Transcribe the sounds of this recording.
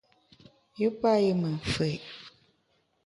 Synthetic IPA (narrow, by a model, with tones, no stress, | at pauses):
ji˦pa˦ji˦mə˨fe˨